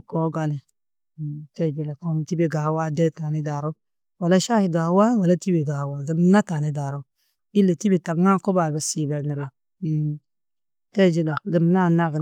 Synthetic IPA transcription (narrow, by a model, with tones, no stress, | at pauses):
ko˦ɡa˦ne˨ | te˦˨d͡ʒe˦˨le˨ko˦m˨ti˦be˨ɡa˨hwa˦de˦ta˨ni˦da˨ɾo˦ | wa˨la˦ʃa˦hi˨ɡa˨˦wa˦wa˨la˦ti˦be˨ɡa˨wa˨ɡə˨m˦na˦ta˨ni˦da˨ɾo˦ | i˦lːe˨ti˦bi˨ta˨ɡŋa˦ko˦ba˨be˨si˨be˨lni˨ɾe˨ | te˦˨d͡ʒe˦la˨ɡə˨m˦na˦˨na˦ɡ